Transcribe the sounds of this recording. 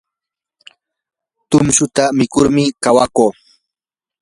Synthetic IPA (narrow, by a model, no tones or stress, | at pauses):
t̪ʊmʃʊt̪amɪkʊɾmɪkawakoː